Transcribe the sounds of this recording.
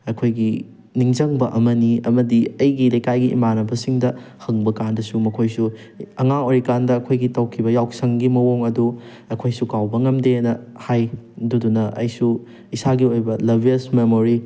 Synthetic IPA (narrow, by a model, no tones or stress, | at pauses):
ɐkʰojɡi | niŋd͡ʒɐŋbɐʔɐmɐniɐmɐdiɐjɡilejkajɡiʔːmanɐbɐsiŋdɐhɐŋbɐkandɐsumɐkʰojsu | ɐŋaoɾikandɐːkʰojɡitɐwkʰibɐjawsɐŋɡimɐwoŋɐdu | ɐkʰojsukawbɐŋɐmdenɐhajdudunɐʔɐ̰jsu | isaɡiojbɐlɐbʱiɐsmemoɾi